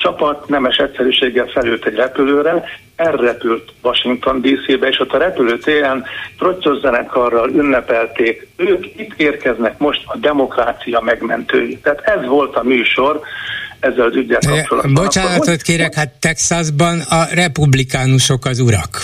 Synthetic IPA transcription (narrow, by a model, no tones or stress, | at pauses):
t͡ʃɒpɒt̪nɛmɛʃɛt̪ʲsɛɾyːʃeːɡːɛlfɛlyːlt̪ɛɟrɛpyløːɾɛ | ɛrːɛpylt̪ʋɒʃiŋk̚t̪o̞nd̪iːsibɛeːʃo̞t̪ʰːɒɾɛpyløːt̪eːɾɛnfro̞sozːɛnɛkʰːɒrːɒlynːɛpɛlt̪eːk | øːkit̪ːeːrkɛznɛkmo̞ʃt̪ɒd̪ɛmo̞kraːt̪sijɒmɛɡmɛ̰nt̪ø̰ːjit̪ːɛːt̪ɛzʋo̞lt̪ɒmyːʃo̞rɛzːɛlɒzyɟːɛlɒpt͡ʃolɒ̰d̪bot͡ʃaːnɒot̪keːɾɛkhat̪ːɛksɒzbɒnɒrɛpublikaːnuʃo̞kɒzuɾɒ̰k